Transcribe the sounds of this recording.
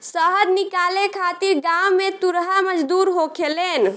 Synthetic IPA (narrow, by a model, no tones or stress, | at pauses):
səɦəd̪nikalekʰat̪iɾɡamːet̪uɾɦaməd͡ʒd̪uɾɦokʰelen